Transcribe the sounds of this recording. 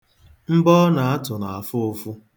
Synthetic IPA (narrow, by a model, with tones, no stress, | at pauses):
m̩˦bɔ˦na˨a˦tʊ˨na˨a˨fʊ˦o˦fu˦